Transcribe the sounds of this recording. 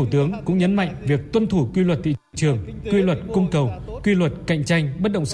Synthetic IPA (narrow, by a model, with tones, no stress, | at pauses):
u˧˩t̪ɨ˨˦əŋkʊ̰˧˥ŋ͡mɲə˨˦nma̰˧˨jŋ̟vi˨˩ək̚t̪wə˧nt̪ʰu˧˩kwi˧lwə˨˩t̚t̪ḭ˧˨ | t͡ɕɨ˨˩əŋ | kwi˧lwə˨˩t̚kʊ˧ŋ͡mkə˨˩wkwi˧lwə˨˩t̚ka̰˧˨jŋ̟t͡ɕa˧jŋ̟ɓə˦˥t̚ɗə̰˧˨ŋ͡m